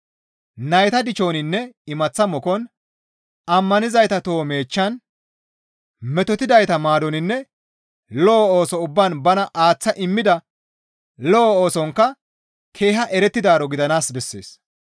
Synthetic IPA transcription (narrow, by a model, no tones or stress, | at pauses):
nɐjt̪ɐd̪ɪt͡ʃo̞ːnɪnːɛɪmɐt͡sːɐmɔkɔn | ɐmːɐnɪzɐjt̪ɐt̪oːme̞ːt͡ʃːɐn | mɛt̪ɔt̪ɪd̪ɐjt̪ɐmaːd̪ɔnɪnːɛ | lɔːoːsɔʊbːɐnbɐnɐʔaːt͡sːɐʔɪmːɪd̪ɐ | lɔoːsɔŋkːɐ | kʰe̞ːɦɐʔɛɾɛt̪ːɪd̪aːɾɔɡɪd̪ɐnaːsbɛsːḛːs